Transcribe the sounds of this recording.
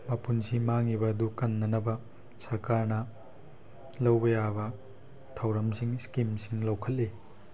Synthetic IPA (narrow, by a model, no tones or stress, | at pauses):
mɐpunsimaŋibɐːdukɐnːɐnɐbɐ | sɐɾkaɾnɐ | lɐwbɐjabɐ | tʰɐwɾɐmsiŋskimsiŋlɐwkʰɐt̚li